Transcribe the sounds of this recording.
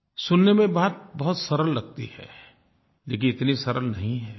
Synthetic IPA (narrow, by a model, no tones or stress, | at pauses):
sʊnːemẽbaːt̪̚bɐɦʊt̪sɐɾəlːɐɡ̚t̪ḭhɛ̰ː | leːk̬ɪ̃nɪt̪nisɐɾəlnɐɦĩɦɛː